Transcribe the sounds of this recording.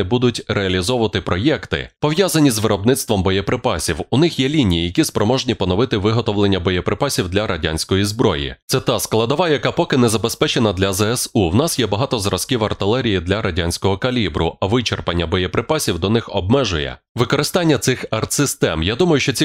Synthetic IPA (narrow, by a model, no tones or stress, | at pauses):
bud̪ʊtʲrʔeɐlʲizɔʋʋɐt̪ɪpɾɔjɛkt̪ɪ̰pɔʋjazɐnʲizʋɪɾɔbnɪt̪st̪ʋɔmbɔjɛpɾɪpɑsʲiwʊnɪxjɛlʲinʲijijɐkʲispɾɔmɔʒnʲipɔnɔʋɪt̪ɪʋɪɦɔt̪ɔʋlˠenʲːɐbɔjɛpɾɪpɑsʲiwd̪lʲɐɾʔɐdʲa̰nʲsʲkɔjizbɾɔjḭt̪sɛt̪ɑsklˠɐd̪ɔʋɑjɐkapɔkɪnɛzɐbespɛt͡ʃenɐd̪lʲɐzɛɛsuwnɑsjɛbɐɦɑt̪ɔzɾɐskiwɐrt̪ɪlˠɛɾʲijid̪lʲɐɾʔɐdʲanʲsʲkɔɦɔkɐlʲibɾʊ̰ɐʋɪt͡ʃerpɐnʲːɐbɔjɛpɾɪpɑsʲiwd̪ɔnɪxɔb̚mɛʒʊjɛ̰ | ʋɪkɔɾɪst̪anʲːɐt̪sɪxɐrt̪sɪst̪ɛmjad̪umɐjʊʃt͡ʃɔt͡sʲi